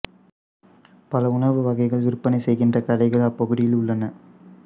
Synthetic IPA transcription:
pɐlɐʊɳɐʋɯʋɐɣɐɪɣɐɭʋɪɾɯpːɐnɐɪsɛjɣɪndrɐkɐɽɐɪɣɐɭapːɔɣɯɽɪjɪlʊɭːɐnɐ

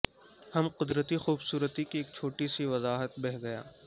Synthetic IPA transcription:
hɐmqʊd̪ɾət̪ixuːbsuːɾət̪ikieːk̚t͡ʃʰoːʈisiʋɐzaːɦət̪̚bɛɦɡɐja̰ː

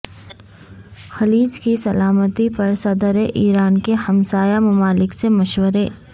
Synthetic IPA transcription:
xɐliːd͡ʒkisɐlaːmət̪ipɐɾsɐd̪əɾeʔiːɾaːnkehɐmsaːjamɐmaːlɪksemɐʃwəɾeː

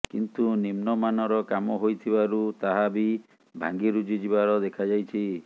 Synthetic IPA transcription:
kḭnt̪unimnɔmanɔɾɔkamɔɦojt̪ʰibaɾut̪aɦabi | bʱa̰ŋɡiɾud͡ʒid͡ʒibaɾɔd̪ekʰad͡ʒajt͡ʃʰi

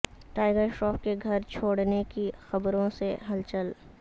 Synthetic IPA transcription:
ʈaːɪɡəɾʃʈɔːp̚keɡʱɐɾt͡ʃʰoːɽnekixɐbɾõseɦɐlt͡ʃəl

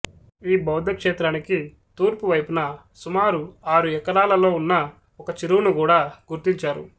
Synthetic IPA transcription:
iːbɐwd̪ʱɐkʂeːt̪ɾaːniki | t̪uːɾpuʋɐjpunɐ | sumaːɾuaːɾuɛkɐlaːlɐlo̞ːunːɐ | ɔkɐt͡ʃiɾuwnukuːɽaːɡuɾt̪iɲt͡ʃaːɾṵ

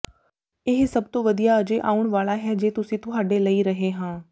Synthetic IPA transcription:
ɪɦsɐb̚t̪oʋɐd̪ijaəd͡ʒeʔa̰ːʊɽ̃ʋaːlaɦɛd͡ʒeːt̪ʊsĩt̪ʊɦaːɖeləiɾɐɦeɦãː

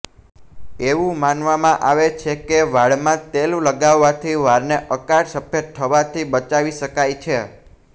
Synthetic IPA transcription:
eʋũmanʋamãʔaʋet͡ʃʰekeʋaɭmãt̪elũləɡaʋːat̪ʰiʋaɾneʔəkaɽsəbjət̪ʰːəʋat̪ʰibət͡ʃaʋiʃəkajt͡ʃʰe

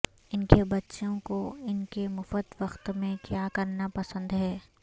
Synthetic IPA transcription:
ɪnkebɐtːʃõkoɪnkemʊfət̪ʋɐxt̪mẽkjaːkɐɾnapɐsə̃nd̪ɦɛː

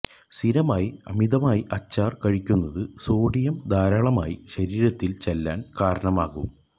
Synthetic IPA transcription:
siɾɐmaːjiɐ̰miðɐmaːjiʔɐt͡ɕːaːrkɐɻikʲːunːɐðɨsoːɖijɐmd̪ʱaːɾaːɭɐma̰ːjiɕɐɾiːɾɐt̪ːilt͡ɕelːaːnkaːɾɐɳɐmaːɣum

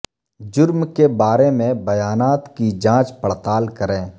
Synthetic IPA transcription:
d͡ʒʊɾmkebaːɾemẽbəjaːnaːt̪kid͡ʒãːt͡ʃpəɽt̪aːlkəɾẽː

